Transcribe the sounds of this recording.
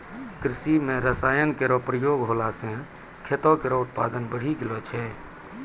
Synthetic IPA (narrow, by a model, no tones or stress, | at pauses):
kɾisimẽɾəsaːjənkeɾɔpɾəjoɡɦolasẽ | kʰet̪ɔkeɾɔut̪̚pa̰d̪ənbəɽ̤iɡelɔt͡ʃʰɛ